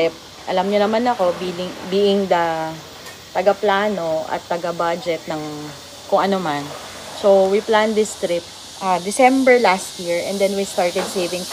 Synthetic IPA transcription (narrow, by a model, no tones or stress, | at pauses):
ɛp̚ | ʔɐlamɲonɐmanɐko̞bilɪŋbiːʔɪŋd̪ɐ | t̪ɐɡɐplaːno̞ʔɐ̰t̪ːɐɡɐbad͡ʒɛt̪̚nɐŋ | kʊŋʔɐnoman | sowwipland̪ɪst̪ɾɪp̚ | ʔad̪ɪsɛmbɛɹlast̪̚jiɹɛ̰̃nd̪ɛnwist̪aɹt̪ɛd̪sejvɪ̃ŋ